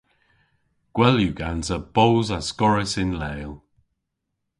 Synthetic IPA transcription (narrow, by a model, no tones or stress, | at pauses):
ɡ̥wɛljuɡanzəb̥owzəskɔɹɪsɪnlejlˠ